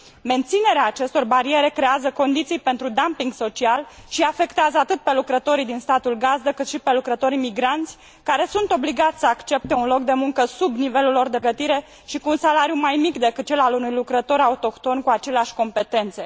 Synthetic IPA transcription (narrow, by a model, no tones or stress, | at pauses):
me̞nt̪sine̞ɾeaːt͡ʃe̞st̪o̞rbaɾie̞ɾe̞kɾe̞azəko̞nd̪it̪sijpe̞nt̪ɾud̪ampiŋɡso̞t͡ʃialʃiafe̞kt̪eazəat̪ɨt̪̚pe̞lukɾət̪o̞ɾijd̪inst̪at̪ulɡazd̪əkɨt̪ʃipe̞lukɾət̪o̞ɾimiɡɾant̪sʲ | kaɾe̞sunt̪o̞bliɡat̪sʲsəakt͡ʃe̞p̚t̪e̞unlo̞k̚d̪e̞muŋkəsubnive̞lulo̞rd̪e̞ɡət̪iɾe̞ | ʃikuːnsalaɾijumajmikd̪e̞kɨt̪̚t͡ʃe̞lalunujlukɾət̪o̞ɾaut̪o̞kt̪o̞nkuat͡ʃe̞leaʃʲko̞mpe̞t̪e̞nt̪se̞